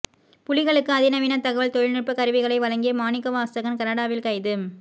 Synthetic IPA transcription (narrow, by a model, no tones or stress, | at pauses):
pʊlɪɣɐɭɯkːɯɐðɪnɐʋɪnɐt̪ɐɣɐʋɐɭt̪ɔɻɪɭnɪrpːɯkɐɾɯʋɪɣɐɭɐɪʋɐɻɐŋɡɪjɐmaːnɪkːɐʋaːst̪ɐɣɐnkɐɾɐɽaːʋɪlkɐɪðɯm